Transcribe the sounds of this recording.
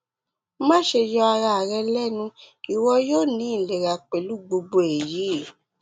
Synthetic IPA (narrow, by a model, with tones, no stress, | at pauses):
mã˦ʃe˧jɔ˧a˧ɾa˧a˨ɾɛ˧lɛ˦˨nũ˧ | i˨wɔ˧joː˦˨nĩ˨˦˨le˨ɾa˨k͡pe˨lu˦˨ɡ͡bo˧ɡ͡bo˧e˨ji˨˦˨